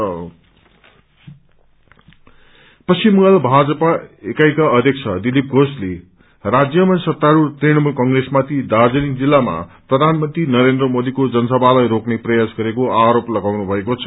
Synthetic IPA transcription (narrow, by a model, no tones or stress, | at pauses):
pʌsimualbʱad͡zʌpaekajkaʌd̪ʱjʌk̚t͡sʰʌd̪ilip̚ɡʱosle | rad͡zjʌmansʌt̪ːaɾurt̪riɽ̃ʌmulkʌŋɡresmat̪ʰid̪ad͡zʌnikd͡zilːama̰prʌd̪ʱanmʌnt̪rinʌɾend̪rʌmod̪ikod͡zʌnsʌbʱalajɾokneprʌjasɡʌɾekoaɾoplʌɡawnubʱʌekot͡sʰʌ̥